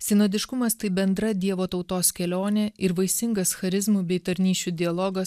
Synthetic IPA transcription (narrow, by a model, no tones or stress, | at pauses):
sʲɪnoːd̪ʲɪʃkʊmɐst̪ɐɪbʲɛnd̪ɾɐd̪ʲiɛʋoːt̪ɒʊt̪oːskʲɛlʲoːnʲɛɪɾʋɐɪsʲɪŋɡɐsxɐɾʲɪzmubʲɛɪt̪ɐɾʲnʲiːʃʲuːd̪ʲɪɐlˠɔɡɐs